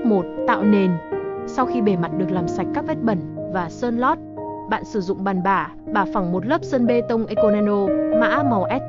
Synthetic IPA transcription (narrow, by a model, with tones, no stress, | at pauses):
mo˨˩t̚t̪a̰ː˧˨wne˨˩nsa˧wxi˧ɓe˧˩ma˨˩t̚ɗɨ˨˩ək̚laː˨˩msa˨˩jk̟̚kaː˦˥k̚vɛ˦˥t̚ɓə˧˩nvaː˨˩səː˧nlɔ˦˥t̚ɓa̰ː˧˨nsɨ˧˩zʊ̰˧˨ŋ͡mɓaː˨˩nɓaː˧˩ | ɓaː˨˧˩fa˧˩ŋmo˨˩t̚lə˦˥p̚səː˧nɓe˧t̪ə˧wŋ͡mʔe˧ko˧ne˧no˧ma̰ː˧˥mɔ˨˩wʔɛ˦˥t̚